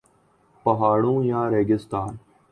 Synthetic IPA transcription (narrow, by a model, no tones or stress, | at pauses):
pəɦaːɽũːjãːɾeːɡɪst̪aːn